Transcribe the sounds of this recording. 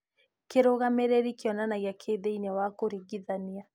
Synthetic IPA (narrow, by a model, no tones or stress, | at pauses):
keɾoɣameɾeɾikiɔnanaɣjakʰeðeinɛwakoɾiɡiðania